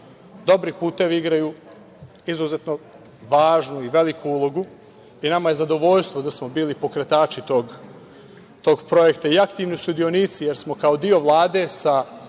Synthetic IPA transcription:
d̪o̞bɾipuːt̪e̞ʋiiɡɾaju | izuzet̪no̞ | ʋaːʒnuiʋe̞likuulˠo̞ɡu | inamaje̞zad̪o̞ʋo̞ʎst̪ʋo̞d̪asmo̞biːlipo̞kɾe̞t̪aːt͡ʃit̪o̞ɡ | t̪o̞ːɡpɾo̞je̞kt̪aiakt̪iːʋnisud̪io̞niːt̪sije̞ɾsmo̞kao̞d̪io̞ʋlˠaːd̪e̞sa

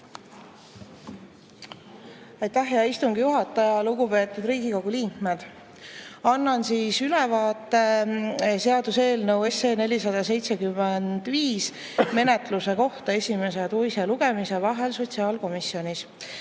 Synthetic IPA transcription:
ɑjt̪æɦeɑist̪uŋɡijuɦɑt̪ːˑɑjɑluɡ̥upe̞ːt̪ːˑud̪ɾiːɡiko̞ɡ̥uliːŋkmed̪̥ | ɑnːɑnsiːsylɛvɑːt̪ːˑe | se̞ɑd̪use̞ːlnəwe̞seːne̞lʲisɑd̪ɑse̞jt̪se̞kymːend̪̥viːs | me̞net̪ˑluse̞ko̞ht̪ɑe̞sʲime̞s̬et̪ujseluɡ̥e̞mise̞vɑɦe̞lso̞t̪ʲsiɑːlko̞misio̞nʲis

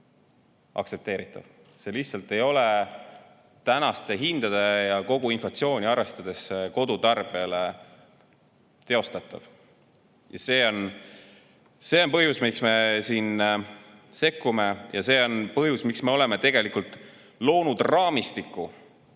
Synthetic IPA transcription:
ʔɑ̰ktse̞p̚t̪e̞ːɾit̪ːˑɑ̰v̥ | se̞liçtsɑlt̪ːˑe̞jo̞le | t̪ænɑst̪eɦind̪̥ɑd̪̥ɑjɑko̞ɡ̥uinflɑt̪sio̞ːnʲiɑɾest̪ɑd̪̥e̞sko̞d̪̥ut̪ɑrb̥iɑle̞ | t̪e̞o̞st̪ɑt̪ːˑɑ̰v̥ | jɑ̰se̞ːo̞n | se̞ːo̞npɤɦjusmiksme̞siːn | se̞kːume̞jʔɑ̰se̞ːo̞npɤɦjusmiksme̞o̞le̞me̞t̪e̞ɡ̥e̞likult̪ˑ | lo̞ːnud̪rɑːmist̪ikːˑu

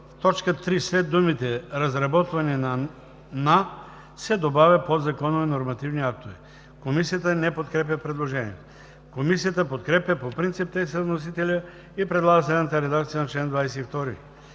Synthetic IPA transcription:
ft̪ɔt͡ʃkət̪ɾislɛd̪ːumit̪ɛɾɐzɾɐbɔt̪vɐnina | na | sɛd̪obavʲɐpod̪zɐkɔnovinoɾmɐt̪ivniak̚t̪ovi | komisijat̪ənɛpot̪̚kɾɛp̬ʲjɐpɾɛd̪lˠoʒɛnḭɛt̪o̥ | komisijat̪əpot̪kɾɛpjɐpopɾint̪sip̚t̪ɛsəvnos̬it̪ɛlʲə | ipɾɛd̪lˠaɡəs̬lɛd̪nat̪əɾɛd̪akt̪sijənɐt͡ʃlɛnd̪vajsɛift̪ɔɾi

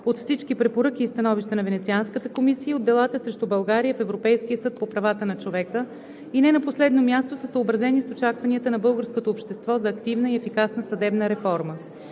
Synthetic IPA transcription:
ot̪fsit͡ʃk̟ipɾɛpoɾɤk̟iːst̪ɐnɔviʃt̪ənɐvɛnɛt̪sianskət̪əkomisiəod̪ːɛlˠat̪əsɾɛʃt̪ubɐlˠɡaɾijəfɛvɾopɛjsk̟iəsɤt̪̚popɾɐvat̪ənɐt͡ʃovɛkə | inɛnɐposlɛd̪nomʲjast̪osəsəobɾɐzɛnisot͡ʃakvɐniət̪ənɐbɤlˠɡəɾskot̪oːpʃt̪ɛst̪vɔzɐːkt̪ivnəiɛfikasnəsɐd̪ɛbnəɾɛfɔɾmə

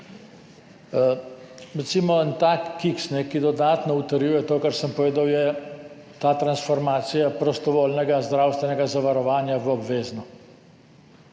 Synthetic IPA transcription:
ɾɛt̪simɔənt̪akːiksnɛkid̪ɔd̪aːt̪nɔut̪əɾjujɛt̪oːkaɾsəmpɔʋeːd̪awjɛ | t̪aːt̪ɾansfɔɾmaːt̪sijapɾɔst̪ɔʋoːlnɛɡazd̪ɾaːwst̪ʋɛnɛɡazaʋaɾɔʋaːnjaʋɔbʋeːznɔ

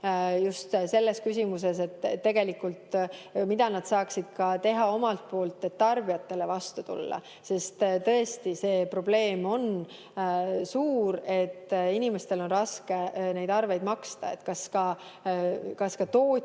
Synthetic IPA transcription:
just̪se̞lːe̞skys̬ʲimus̬e̞s̬e̞t̪ˑːe̞ɡ̥e̞likːult̪mid̪ɑnɑd̪̥sɑːksid̪̥̚kɑt̪e̞ɦɑo̞mɑlt̪̚po̞ːlt̪ːˑe̞t̪ːɑrb̥iɑt̪ːe̞le̞vɑst̪ut̪ṵlːɑ̰ | se̞st̪t̪ɤ̞est̪ise̞ːpro̞b̥le̞ːmo̞n | suːɾe̞t̪ːinimest̪e̞lo̞nrɑske̞ne̞jd̪ɑrve̞jd̪̥mɑkst̪ɑ̰ḛt̪ːkɑskɑ | kɑskɑt̪oː

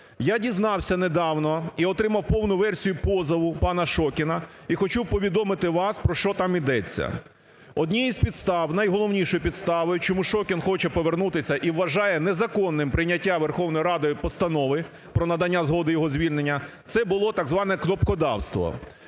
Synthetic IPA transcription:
jadʲiznɑwsʲɐned̪ɑwnɔiɔt̪ɾɪmɐwpɔwnʊʋɛrsʲijʊpɔzɐʋʊpɑnɐʃɔkʲɪnɐ | ixɔt͡ʃuwpɔʋʲid̪ɔmɪt̪ɪʋɑspɾɔʃt͡ʃɔt̪ɑmid̪ɛt͡sʲːɐ̰ | ɔdʲnʲijizʲpʲid̪st̪ɑwnɐjɦɔlˠɔwnʲiʃɔjʊpʲid̪st̪ɑʋɔjʊt͡ʃɔmuʃɔkʲɪnxɔt͡ʃɛpɔʋernut̪ɪsʲɐʔiʋːɐʒɑjɛnɛzɐkɔnːɪmpɾɪnʲɐtʲːaʋerxɔwnɔjiɾɑd̪ɔjpɔst̪ɐnɔʋɪ | pɾɔnɐd̪ɐnʲːazɦɔd̪ɪjɔɦɔzʲʋʲilʲnenʲːɐt̪sɛbʊlˠɔt̪ɐɡzʋɑnɛknɔpkɔd̪ɑ̰wst̪ʋɔ̰

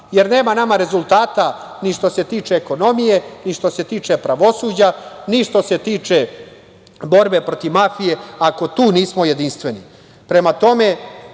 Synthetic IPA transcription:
jeɾne̞ːmanamaɾe̞zulˠt̪aːt̪a | niʃt̪o̞se̞t̪iːt͡ʂeːko̞no̞mije̞niʃt̪o̞se̞t̪iːt͡ʂepɾaʋo̞suːd͡ʑaniʃt̪o̞se̞t̪iːt͡ʂe | bo̞ɾbe̞pɾo̞t̪iʋmafije̞ako̞t̪uːniːsmo̞je̞d̪inst̪ʋe̞ni | pɾe̞mat̪o̞me̞

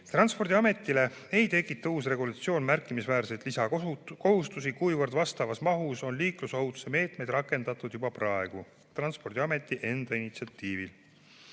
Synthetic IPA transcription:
t̪rɑnspo̞rd̪iɑme̞t̪ˑːile̞ | ejt̪e̞kːˑit̪ːɑuːs̬re̞ɡulɑt̪sio̞ːnmærkːˑimisvæːrset̪lisɑko̞ɦust̪us̬ikujvərd̪vɑst̪ɑvɑsmɑɦuso̞nliːklusowt̪u̥seme̞ːt̪me̞jd̪̥rɑkːˑe̞nd̪̥ɑt̪ːˑud̪̥jubɑprɑe̞ɡ̥u | t̪rɑnspo̞rd̪̥ʲiɑme̞t̪ːˑiʔe̞nd̪̥ɑinit̪siɑt̪ːiːvil

